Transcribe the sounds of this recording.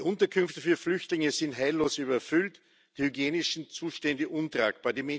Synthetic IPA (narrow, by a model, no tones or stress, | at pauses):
iʔʊ̃ntɐkʰʏnftəfyːɐflʏçtlɪŋəzɪntɦaɪlːoːsyːβɐfʏlt | d̥iːhyɡjeːnɪʃn̩t͡suːʃtɛndəʔʊntʁa̰ːk̚b̥aːɐdimɛ